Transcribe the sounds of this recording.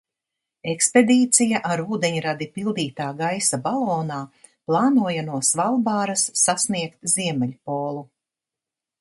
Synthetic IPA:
eksped̪iːt̪sijaʔaɾuːd̪eɲɾad̪ipilˠd̪iːt̪aːɡajsabalˠɔːnaː | plˠɑːnuɔjanuɔsvalˠbaːɾasːasniɛkt̪ziɛmɛʎʲpɔːlˠu

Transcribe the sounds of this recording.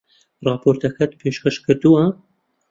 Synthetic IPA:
rˤɑːpʰoːɾt̪ʰɐkɐt̪pʰeːʃkɐʃkʰɨɾd̪uwɐ

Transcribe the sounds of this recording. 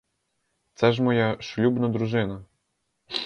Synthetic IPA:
t̪sɛʐ̬mɔjaʃlʲubnɐd̪ɾuʐɪnɐ

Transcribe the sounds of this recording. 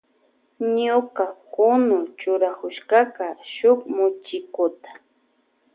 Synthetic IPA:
ɲʊkakʊnʊt͡ʃʊɾakʊʃkɑkaʃʊkmʊt͡ʃɪkʊt̪ḁ

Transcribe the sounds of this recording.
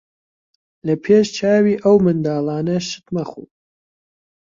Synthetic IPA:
lɐpʰeːʃt͡ʃʰaːwiːʔɐwmɨnd̪aːlˠaːnɐʃɨ̥t̪mɐxṵː

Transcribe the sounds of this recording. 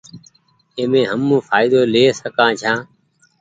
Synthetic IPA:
eːmẽːɦəmːũːfʰaːɪd̪oːleːsəkãːt͡ʃʰãː

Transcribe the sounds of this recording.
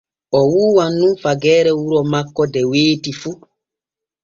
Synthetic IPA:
ɔwuːwanːumfaɡɛːɾɛwuɾɔmakːɔdɛweːtifu

